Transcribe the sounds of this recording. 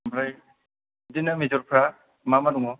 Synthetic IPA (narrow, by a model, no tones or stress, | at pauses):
bʰɾaj | dinamizɔɾpʰɾa | mamanuŋɔ